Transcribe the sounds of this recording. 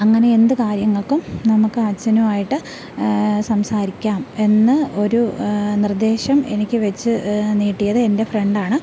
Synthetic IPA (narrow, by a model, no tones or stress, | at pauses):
ɐŋːɐne̞end̪ɨkaːɾjɐŋːɐɭkumnɐmukːɨaːt͡ɕːɐnɐmaːjiʈːɨ | sɐmsaːɾikʲːaːme̞nːɨo̞ɾunird̪e̞ːɕɐme̞nikʲːɨʋet͡ɕːɨniːʈːijɐðɨe̞nde̞fre̞ɳɖaːɳɨ